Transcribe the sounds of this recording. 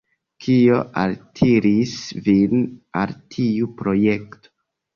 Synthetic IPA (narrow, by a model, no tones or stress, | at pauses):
kʰio̞ʔa̰ltʰiɾisvina̰ltʰiupɾo̞je̞kto̥